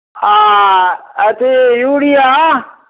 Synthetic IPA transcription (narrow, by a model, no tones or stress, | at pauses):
a | ət̪ʰejuːɽiːa